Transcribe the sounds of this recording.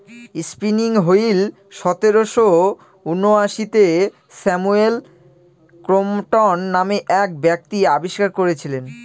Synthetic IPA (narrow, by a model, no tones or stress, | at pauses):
ispiniŋɦoil | ʃɔt̪eɾoʃo | unːoaʃit̪e | sɛmuel | kɾomʈɔnːameʔɛk̚bɛk̚t̪iabiʃkaɾkoɾet͡ɕʰilen